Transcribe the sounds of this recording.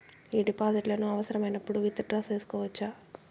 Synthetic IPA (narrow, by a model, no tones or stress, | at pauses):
iːɖipaːsiʈlɐnuɐʋɐsɐɾɐmɐjnɐpːuɽuʋit̪ːɐɖɾɐse̞ːsu̥kɔːʋɐt͡ʃːaː